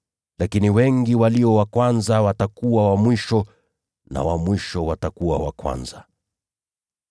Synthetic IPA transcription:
lakiniwɛŋɡiwaliɔwakwanzawatakuwawamwiʃɔ | na̰wamwiʃɔwatakuwawa̰kwa̰nza

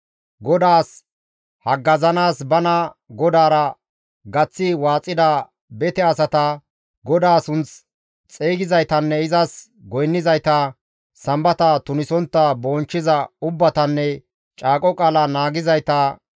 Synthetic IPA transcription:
ɡɔd̪aːs | hɐɡːɐzɐnaːsbɐnɐ | ɡɔd̪aːɾɐ | ɡɐt͡sːɪwaːt͡sʼːɪd̪a | bɛt̪ɛɐsɐt̪ɐ | ɡɔd̪aːsʊnt͡s | t͡sʼeːɡɪzɐjt̪ɐnːɛɪzɐs | ɡɔjnːɪzɐjt̪ɐ | sɐmbɐt̪ɐt̪ʊnɪsɔnt̪ːɐboːnt͡ʃːɪzɐʊbːɐt̪ɐnːɛ | t͡ʃʼaːkʼɔkʼaːlɐnaːɡɪzɐjt̪ɐ

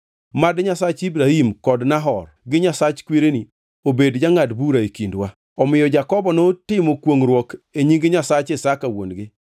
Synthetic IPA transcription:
madɲasat͡ʃibɾahimkɔdnaɦɔrɡɪɲasat͡ʃkwiɾeni | obedd͡ʒaŋadbuɾaekindwa | ɔmɪjɔd͡ʒakɔbɔnotɪmɔkwoŋɾwɔkeɲiŋɡɪɲasat͡ʃɪsakawo̰nɡɪ

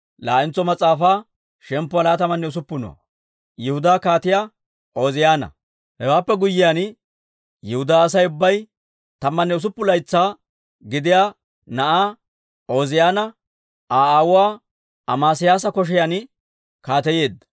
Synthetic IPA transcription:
laːʔɪnt͡sːɔmɐt͡sʼːaːfaː | ʃɛmpːʊɐlaːt̪ɐmːɐnːɛʊs̬ʊpːʊnɔ̰ | jɛhʊd̪aːkaːt̪ɪjaː | ʔo̞ːzɪjaːnɐ̰ | hɛwaːpːɛɡʊjːɪjaːn | jɛhʊd̪aːs̬ɐjʊbːɐj | t̪ɐmːɐnːɛʊs̬ʊpːʊlɐjt͡sːaː | ɡɪd̪ɪjaː | nɐʔaː | o̞ːzɪjaːnɐ | ʔaːaːwʊwaː | ɐmaːsɪjaːs̬ɐkɔʃ̬ɛjaːn | kaːt̪ɛje̞ːd̪ːɐ

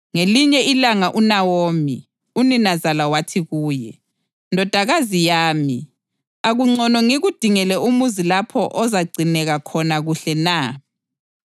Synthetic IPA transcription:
ŋeliɲɛilaŋaʔunawoːmi | uninazalawatʰiɣuːjɛ̰ | ndʱɔd̥ʱaɣazijaːmi | aɣuŋ͡ǀɔnɔŋiɣud̥ʱiŋɛlɛumuzilapʰɔʔɔzaɡ͡ǀʱinɛɣakʰɔnaɣuɬɛna

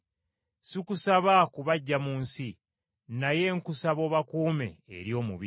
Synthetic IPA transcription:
sikusaβakuβaɟːamuːnsi | naje̞ŋkusaβo̞ːβakuːme̞̰ːɾjo̞ːmuβi

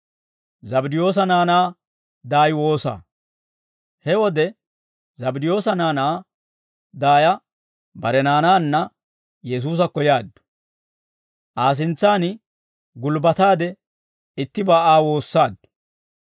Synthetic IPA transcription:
zɐbɪd̪ɪjo̞ːs̬ɐnaːnaː | d̪aːjwo̞ːsa̰ː | hɛwɔd̪ɛ | zɐbɪd̪ɪjo̞ːsɐnaːnaː | d̪aːjɐ | bɐɾɛnaːnaːnːɐ | jɛs̬uːs̬ɐkːɔjaːd̪ːʊ̥ | ʔaːs̬ɪnt͡sːaːnɪ | ɡʊlbɐt̪aːd̪ɛ | ɪt̪ːɪbaːʔaːwo̞ːsːaːd̪ːʊ̥

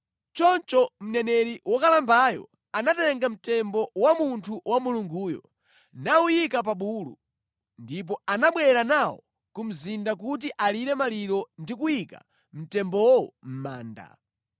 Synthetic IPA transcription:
t͡ʃɔnt͡ʃɔm̩nɛnɛɾiwɔkalambajɔ̰ | anatɛŋɡam̩tɛmbɔwamuntʰuwamuluŋɡuːjɔ̰ | naujikap̬aɓuːlṵ | ndip̬ɔanaɓwɛɾanawɔ̰ | kum̩zindak̬ut̬iʔaliɾɛmaliɾɔndikujika̰ | m̩tɛmbɔm̩ma̰ːnda̰

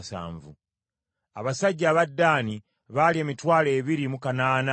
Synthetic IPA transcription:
sa̰ːɱvṵ | aβasaɟːaːβadːaːni | βalie̞ːmitwaːle̞ːβiɾimukanaːna

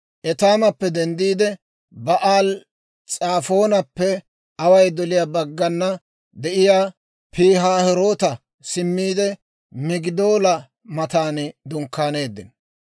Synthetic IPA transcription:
ʔɛt̪aːmɐpːɛd̪ɛnd̪iːd̪ɛ | bɐʔaːl | t͡sʼaːfo̞ːnɐpːɛ | ɐwɐjd̪ɔlɪjaːbɐɡːɐnːɐ | d̪ɛʔɪjaː | pʰiːɦaːhɛɾo̞ːt̪ɐ | sɪmːiːd̪ɛ | mɪɡɪd̪o̞ːlɐ | mɐt̪aːnd̪ʊŋkːaːne̞ːd̪ːɪ̰n

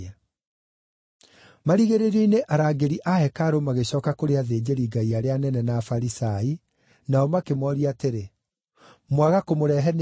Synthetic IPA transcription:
a | maɾiɣeɾeɾɛineʔaɾaːɡeɾiʔahɛkaɾomaɣeɕɔːkakoɾeaðeːd͡ʑeɾiːɡaiaɾeanɛnɛnafaɾisai | naɔmakemwɔɾiateɾe | mwaɣakomoɾɛɦɛn

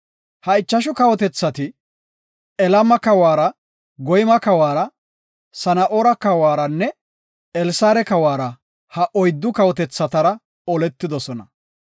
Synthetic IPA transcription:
hɐɪt͡ʃːɐʃ̬ʊkɐwɔt̪ɛt͡sːɐt̪ɪ | ɛlɐmɐkɐwaːɾɐ | ɡɔjmɐkɐwaːɾɐ | sɐnɐʔoːɾɐkɐwaːɾɐnːɛ | ɛlsaːɾɛkɐwaːɾɐ | hɐʔɔjd̪ːʊkɐwɔt̪ɛt͡sːɐt̪ɐɾɐ | ɔlɛt̪ːɪd̪ɔsɔnɐ̰

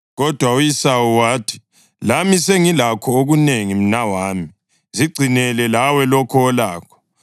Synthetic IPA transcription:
ɣɔd̥ʱwaujisawɔwaːtʰi̥ | lamiseŋilakʰɔoɣuneŋim̩nawaːmi | ziɡ͡ǀʱinɛlɛlawɛlɔkʰɔːlaːkʰɔ̥

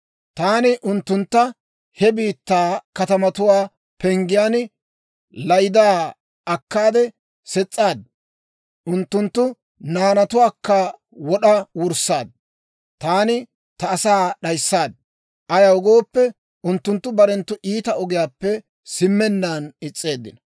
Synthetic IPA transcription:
t̪aːnɪʔʊnt̪ːʊnt̪ːɐ | hɛbiːt̪ːaːkɐt̪ɐmɐt̪ʊwaː | pɛŋɡɪjaːn | lɐjd̪aː | ɐkːaːd̪ɛ | sɛt͡sʼːaːd̪̚ | ʔʊnt̪ːʊnt̪ːʊ | naːnɐt̪ʊwaːkːɐ | wɔɗɐwʊɾsːaːd̪̚ | t̪aːnɪ | t̪ɐːsaːɗɐjsːaːd̪̚ | ʔɐjɐʊɡo̞ːpːɛ | ʊnt̪ːʊnt̪ːʊbɐɾɛnt̪ːʊʔiːt̪ɐɔɡɪjaːpːɛ | sɪmːɛnːanɪt͡sʼːe̞ːd̪ːɪnɐ

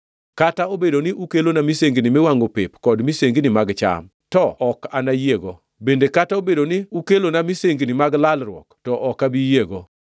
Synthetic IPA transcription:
kataobedonɪʔukelonamiseŋɡnɪmewaŋɡopepkɔdmiseŋɡnimaɡt͡ʃa̰m | tɔɔkanajeɡɔ | bendekataobedonɪukelonamiseŋɡnɪmaɡlalɾwɔ̰ktɔʔɔkabijeɡɔ

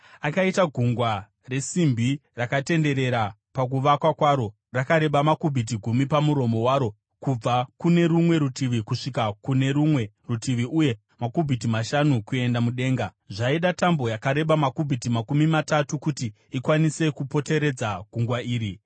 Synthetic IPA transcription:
akaitaɡʱuŋɡwa | re̞simbʱirakate̞nde̞ɾe̞ɾa | pak̬uʋakwakwaːɾo̞ | rakaɾe̞ɓamakubʱit̬iɡʱumipamuɾo̞mo̞waːɾo̞ | kub͡vakune̞ɾumwe̞ɾutiʋikuʂikakune̞ɾumwe̞ | rutiʋiʔuje̞ | makubʱitimaʃanukue̞ndamuɗe̞ːŋɡa | ʐaiɗatambo̞jakaɾe̞ɓamakubʱitimakumimatatukuti | ikwanise̞kupo̞te̞ɾe̞d͡zaɡʱuŋɡwaiːɾi

